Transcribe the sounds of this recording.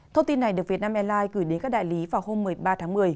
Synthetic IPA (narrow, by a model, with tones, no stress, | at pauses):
t̪ʰə˧wŋ͡mt̪i˧nːa˨˩jɗɨ˨˩k̚vi˨˩ət̚naː˧mʔɛ˧mlaː˧jkɨ˧˩jɗe˨˦nkaː˦˥k̚ɗa̰ː˧˨li˨˦vaː˨˩wɦo˧mːɨ˨˩əjɓaː˧t̪ʰaː˨˦ŋmɨ˨˩əj